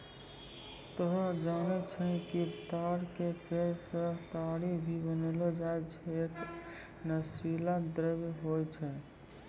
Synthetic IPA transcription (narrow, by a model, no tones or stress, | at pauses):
t̪əɦd͡ʒanɛt͡ʃʰɛ̃kit̪aɾkepʰeɾsə̃t̪aɽibʱibənəlɔd͡ʒaet͡ʃʰɛek | nəsilad̪ɾəbɦojt͡ʃʰɛ